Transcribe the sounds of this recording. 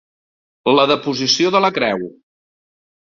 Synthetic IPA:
ləðəpuzisioðələkɾɛw

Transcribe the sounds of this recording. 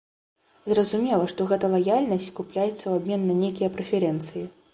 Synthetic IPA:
zrɐzumʲɛlˠɐʂt̪ɔɣɛt̪ɐlˠajalʲnɐsʲt͡sʲkuplʲajɛt̪sːɐwabʲmʲɛnːɐnʲejkʲijɐpɾɛfʲɛɾɛnt̪sɨji

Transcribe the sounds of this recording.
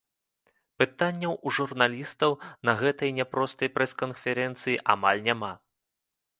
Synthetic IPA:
pɨt̪anʲːɐwuʐurnalʲist̪ɐwnɐɣɛt̪ɐjnʲɛpɾɔst̪ɐjpɾɛskɐnfʲɛɾɛnt̪sɨjiʔa̰malʲnʲama

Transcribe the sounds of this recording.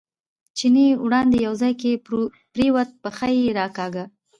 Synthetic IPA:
t͡ʃinewɽɑnd̪ejawzɑjke | pɾewat̪̚pəxajeɾɑkɑɡa

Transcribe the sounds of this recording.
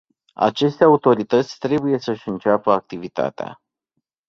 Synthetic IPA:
a̰t͡ʃe̞st̪eaut̪o̞ɾit̪ət̪sʲt̪ɾe̞buje̞səʃʲɨnt͡ʃapəak̚t̪ivit̪a̰t̪ea̰

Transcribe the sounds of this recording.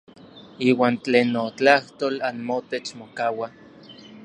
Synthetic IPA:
iːwaːnt͡ɬeːnːot͡ɬaht̪oːlanmot̪et͡ʃmokawa

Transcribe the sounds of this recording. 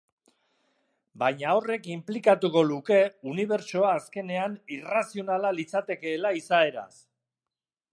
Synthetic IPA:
bajɲao̞re̞kimplikat̪uko̞luke̞uniβ̞e̞ɾt͡ʃo̞aːske̞ne̞anirasio̞nalalit͡sat̪e̞ke̞ːlaisae̞ɾa̰s

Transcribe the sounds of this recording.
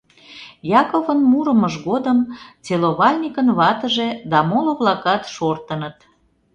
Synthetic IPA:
jɑkovənmuɾəməʒɣod̪əmt͡seloβɑlʲnʲikənβɑt̪əʒed̪ɑmoloβlɑkɑt̪ʃort̪ənət̪

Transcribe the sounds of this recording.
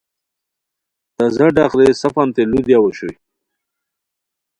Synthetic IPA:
t̪azaɖaqɾesafant̪elud̪jawoɕṵj

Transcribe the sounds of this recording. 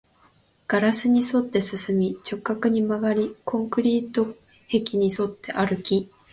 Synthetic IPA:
ɡ̥aɾasɨɲ̟iso̞t̪ːe̞sɨsɨmʲit͡ɕo̞kːakɯ̟ɲ̟imaɡaɾʲikʰõ̞ŋkɯ̟ɾʲiːt̪o̞ | he̞kʲiɲ̟iso̞t̪ːe̞ʔaɾɯ̟kʲi

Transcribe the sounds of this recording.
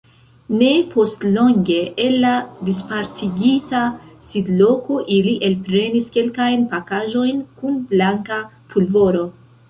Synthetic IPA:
ne̞pʰo̞stlo̞ŋɡe̞ʔːlːadispaɾtʰiɡitasidlo̞ko̞ʔiliʔelpɾe̞niske̞lkajnpakaʒo̞jnkunblaŋka | pʰulvo̞ɾo̞

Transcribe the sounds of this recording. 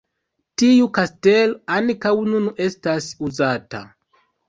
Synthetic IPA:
tiukastelankawnune̞stasuzata̰

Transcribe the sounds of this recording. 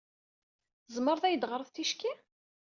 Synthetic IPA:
zməɾˤðæjəd̪ʁəɾˤəθt̪iʃki

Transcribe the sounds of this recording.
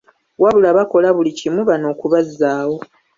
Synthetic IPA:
waβulaβako̞laβulicimuβano̞ːkuβazːaːwo̞

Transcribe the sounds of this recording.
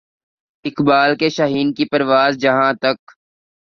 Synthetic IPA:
ɪkbaːlkeʃaɦiːnkipɐɾʋaːzd͡ʒɐɦãːt̪ɐk

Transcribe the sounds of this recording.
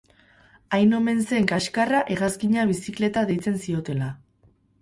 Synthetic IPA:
ajno̞me̞nse̞ŋkaʃkaraʔe̞ɣaskiɲaβisikle̞t̪aðe̞jt͡se̞nsio̞t̪e̞la

